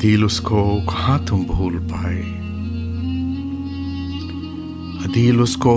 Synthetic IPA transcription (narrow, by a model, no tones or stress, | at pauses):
d̪iːlʊskokhãːt̪ʰũmbʱuːlpaːe | ɐd̪iːlʊsko